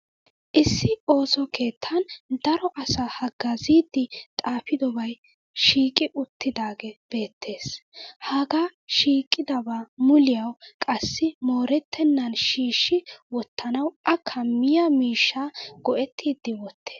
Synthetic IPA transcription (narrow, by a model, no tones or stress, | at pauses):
ʔɪsːɪo̞ːsɔkʰe̞ːt̪ʰːɐnd̪ɐɾɔʔɐsahɐɡɐziːd̪ːɪt̪ʼaːfɪd̪ɔbɐj | ʃiːkʼɪʔʊt̪ːɪd̪aːɡɛb̥e̞ːt̪ʰːe̞ːshaːɡaːʃiːkʼːɪd̪ɐbaːmʊlɪjɐwkʼɐsːɪmo̞ːɾɛt̪ʰːɛnːɐnʃiːʃːɪwɔt̪ːɐnɐwʔɐkʰɐmːɪjɐmiːʃːaːɡ̥ɔʔɛt̪ʰːiːd̪ːɪwɔt̪ʰːe̥ː